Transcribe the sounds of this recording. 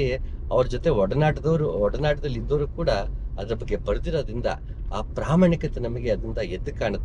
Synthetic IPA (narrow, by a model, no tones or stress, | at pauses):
eɐʋɐɾɐd͡ʒot̪eɔɽɐnaːʈɐd̪ɐʋɐɾuɔɽɐnaːʈɐd̪ɐlːid̪ːɐʋɾukuːɽɐːd̪ɐɾɐbɐɡːe̞bɐɾd̪iɾo̞ːd̪ɾind̪ɐ̰ | aːpɾaːmaːɳikɐt̪ːenɐmɐɡe̞ɐd̪ɾind̪ɐed̪ːukaːɳɐt̪ː